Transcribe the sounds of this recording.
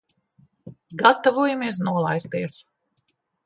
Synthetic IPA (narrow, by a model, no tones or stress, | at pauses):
ɡat̪avuɔjamiɛs̬nuɔlˠajst̪iɛs